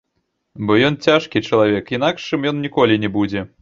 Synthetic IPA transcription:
bɔjɔnt͡sʲaʂkʲit͡ʂɐlˠavʲɛkin̪akʂɨmjɔnnʲikɔlʲinʲɛbud͡zʲɛ

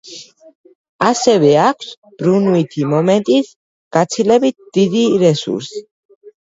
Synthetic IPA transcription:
asɛvɛakʰs | b̥ɾunuit̪ʰimɔmɛnt̪ʼis | ɡ̥at̪sʰilɛbit̪̚d̪̥id̪iɾɛsṵɾsi̥

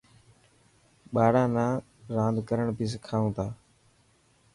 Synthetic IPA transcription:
ɓaːɽãːnãː | ɾãːnd̪ʱkəɾəɳpiːs̬kʰaːũːt̪ʰaː

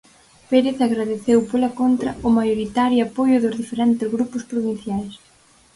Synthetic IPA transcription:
peɾeθaɣɾaðeθewpolakont̪ɾɐʊmajoɾit̪aɾjapojʊðʊzðifeɾɛnt̪ɪzɣɾupʊspɾoβin̟θjajs

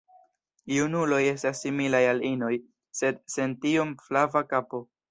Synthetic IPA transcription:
junulo̞je̞stasːimilajalino̞j | se̞d̚se̞ntio̞mflavakapo̞

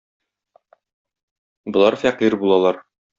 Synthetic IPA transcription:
bŏlˠɑɾfæqiɾbulˠɑlˠɑɾ

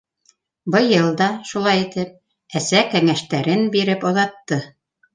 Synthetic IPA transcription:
bɤ̆jɤlˠd̪ɑʃulˠɑjit̪ɘp̚ | æsækæŋæʃt̪æɾɘnbiɾɘpŏðɑt̪ːɤ

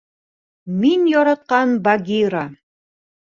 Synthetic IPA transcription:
minjɒɾɑt̪̚qɑnbɑɡʲiɾa

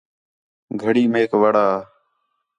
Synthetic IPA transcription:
ɡʱəɽiːmeːkʋəɽaː

